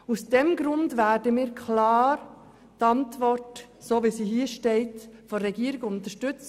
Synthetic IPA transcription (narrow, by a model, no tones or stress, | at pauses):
usd̥ɛmɡɾʊndvæːdəmiːɾkʰlɑːɾ | tɑntvɔrt | soːʋisiːhiːʃteɪtfɔɾɛɡiːɾɪɡʊntəʃtʏt͡s